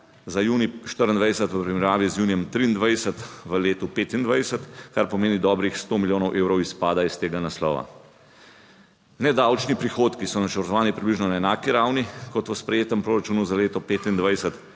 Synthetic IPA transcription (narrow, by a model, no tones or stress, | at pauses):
zajuːniʃt̪əɾənd̪ʋajsət̪ʋəpɾimɛɾjaːʋizjuːnijɛmt̪ɾiːnd̪ʋajsət̪ʋəleːt̪upeːt̪ind̪ʋajsət̪kaɾpɔmeːnid̪ɔːbɾixst̪oːmiljoːnɔwʔeːwɾɔwispaːd̪aist̪eːɡanaslɔ̰ːʋa̰ | nɛd̪awt͡ʃnipɾixoːt̪kisɔnat͡ʃəɾt̪ɔʋaːnipɾibliʒnɔnaɛnaːkiɾawnikɔt̪ʋəspɾɛjeːt̪ɛmpɾoːɾat͡ʃuːnuzaleːt̪ɔpeːt̪ind̪ʋajsət̪